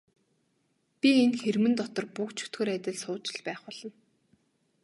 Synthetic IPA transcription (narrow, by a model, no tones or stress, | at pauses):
pʲienxermɘ̆nt̪ɔt̪ɞ̆rpʊkt͡ɕʰɵ̥t̪ɡɵːɾæt̪ʲɪ̆ɮsʊːt͡ɕɪ̆ɮpæːχpɔɮ̥ɞ̆n